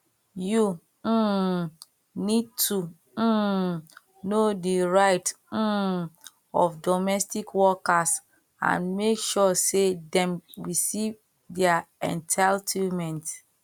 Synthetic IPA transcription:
ju | nid̚tʰu | nodiɹaɪt | ɔfdɔmɛstikwɔkas | ã̰nmekʃɔsedɛ̃mɹisiv | dɛaɛ̰̃ntʰaltʰimɛ̃nt

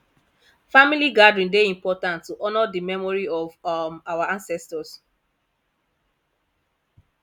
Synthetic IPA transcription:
familiɡadɹĩndeĩmpɔtãntːuʔɔnɔdimɛmɔɹiɔvmawaãnsɛstɔs

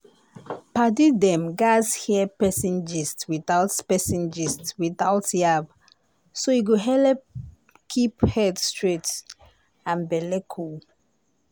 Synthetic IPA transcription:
padidɛ̃mɡashiəpɛsĩnd͡ʒistswiθaʊtpɛsĩnd͡ʒistwiθaʊtjab | soiɡoɦɛlɛp̚ | kʰiphɛdstɹet | ãnbɛlɛkʰul

